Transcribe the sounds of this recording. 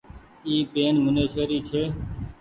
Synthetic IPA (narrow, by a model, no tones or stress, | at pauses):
iːpeːnmʊneːʃeːɾiːt͡ʃʰeː